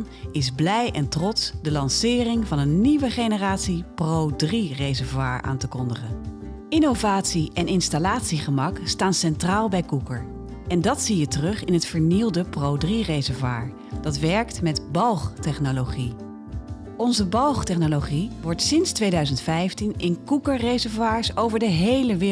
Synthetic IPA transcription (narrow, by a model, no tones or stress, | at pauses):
n | ɪzblɛjʔɛntrɔtsdəlɑnsɪːrɪŋvɑnənːiʋəχejnəraːtsiprowdrirejzəɹvwaːɹʔa̰ːntəkɔndəχən | ɪnowvaːtsiɛnɪnstalaːtsiχəmɑkstaːnsɛntraːlˠbɛjkukəɹ | ɛndɑtsijətərɵχɪnɦətfəɹnilˠdəprowdrirejzɛɹvwaːɹ | d̥ɑtʋɛɹktmɛtbɑlˠχtɛχnoloχi | ɔnzəbɑlˠχtɛχnoloχiʋɔɹtsɪnstʋejdœɥzəntfɛjftinʔɪnkukəɹrejzɛɹvwaːɹsowvəɹdəɦejləʋɪː